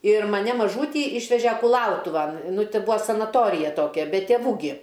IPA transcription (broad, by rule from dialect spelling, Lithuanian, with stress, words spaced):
ɪr mɐˈnʲɛ mɐˈʒuːtʲiː ˈiːʃʲʋʲɛʒʲɛ kʊˈlˠɐʊtʊʋɐn ˈnʊ ˈtʲɪ ˈbʊɐ sɐnɐˈtoːrʲɪjɛ ˈtoːkʲɛ bʲɛ tʲeːˈʋuː ɡʲɪ